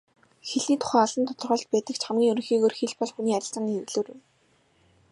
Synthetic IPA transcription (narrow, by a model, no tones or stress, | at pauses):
xeɮniːt̪ʰʊ̥χæːaɮə̆nt̪ʰʊ̥t̪ɞ̆rʁə̆ːɮt̪̚pæːt̪ə̆kt͡ɕʰχamɡʲiːŋɵɾɵ̆ŋxiːɣoːrxeɮpɔɮxuniːat͡ɕɪ̆ɬt͡sə̆ŋiɮoːɾɘ̆w